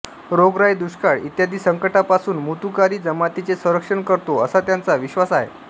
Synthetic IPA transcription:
ɾoɡɾajd̪uɕkaɭḭt̪jad̪ʱiːsəŋkəʈapasuːnmut̪ukaɾiːd͡zəmat̪it͡sesə̃ɾəkʂəɳkəɾt̪oəsat̪jant͡saʋiɕʋasaɦḛ

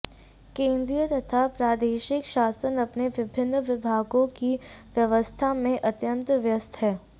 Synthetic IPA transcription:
kẽːnd̪ɾijət̪ɐt̪ʰapɾaːd̪eːʃɪkʃaːsənɐpneʋɪbʱɪnːəʋɪbʱaːɡõkiʋjɐʋəst̪ʰamẽʔɐt̪jə̃nt̪ʋjɐst̪ʰɦɛː

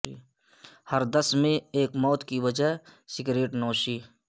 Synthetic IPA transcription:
hɐɾd̪əsmẽeːkmɔːt̪kiʋəd͡ʒəɦsɪɡɾeːʈnɔːʃiː

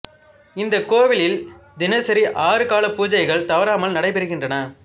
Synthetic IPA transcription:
ɪnd̪ɐkoːʋɪlɪld̪ɪnɐsɐɾiʔaːɾɯkaːlɐpːuːd͡ʒɐɪɣɐɭt̪ɐʋɐɾaːmɐlnɐɽɐɪpɛɾɯɣɪndrɐnɐ

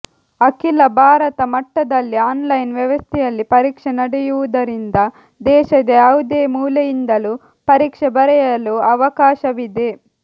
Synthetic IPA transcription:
ɐkilɐbʱaːɾɐt̪ɐmɐʈːɐd̪ɐlːiaːnlɐjnʋjɐʋɐst̪ʰijɐlːipɐɾiːkʂɐnɐɽijuʋud̪ɐɾind̪ɐ | d̪ɛːʃɐd̪eɐwud̪eːmuːlɐjind̪ɐlu | pɐɾiːkʂɐbɐɾɛjɐluɐʋɐkaːʃɐʋid̪e

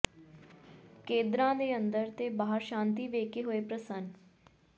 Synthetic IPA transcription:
kẽːnd̪ɾãːd̪eːənd̪əɾt̪eːbaːɦəɾʃãːnt̪iːʋeːkeɦoːeːpɾəsən

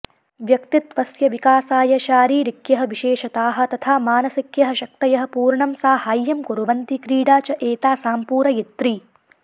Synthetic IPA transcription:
ʋjɐkt̪it̪ʋɐsjɐʋikaːsaːjɐʃaːɾiːɾikjɐɦɐ̆ʋiʃeːʃɐt̪aːɦɐ̆t̪ɐt̪ʰaːmaːnɐsikjɐɦɐ̆ʃɐk̚t̪ɐjɐɦɐ̆puːɾɳɐmsaːhaːjːɐmkuɾuʋɐnt̪ikɾiːɽaːt͡ʃɐʔeːt̪aːsaːmpuːɾɐjit̪ɾi

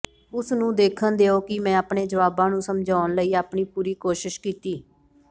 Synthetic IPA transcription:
ʊsnũːd̪eːkʰənd̪eːoːkɪmɛ̃ːaːpɳeːd͡ʒəʋaːbãːnũːsəmd͡ʒʱaːnləiːaːpɳiːpuːɾiːkoːʃɪʃkiːt̪iː

